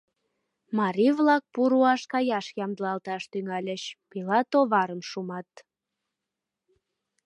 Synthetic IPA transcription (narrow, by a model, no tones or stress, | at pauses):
mɑɾiβlɑk̚puɾuɑʃkɑjɑʃjɑmd̪əlɑlt̪ɑʃt̪yŋɑlʲəɕpilɑt̪oβɑɾəmʃumɑt̪